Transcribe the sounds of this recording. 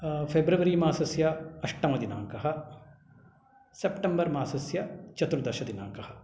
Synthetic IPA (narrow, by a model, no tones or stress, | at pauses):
pʰebɾɐʋɐɾiːmaːsɐsjɐɐʂʈɐmɐd̪ina̰ːŋkɐɦɐ | sepʈɐmbɐɾmaːsɐsjɐt͡ʃɐt̪ɾud̪ɐʃɐd̪ina̰ːŋkɐhɐ